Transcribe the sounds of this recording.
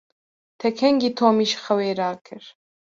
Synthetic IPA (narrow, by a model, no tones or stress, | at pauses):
t̪ʰɛkʰɛŋɡit̪ʰoːmiʃχɐweːɾaːkʰɨɾ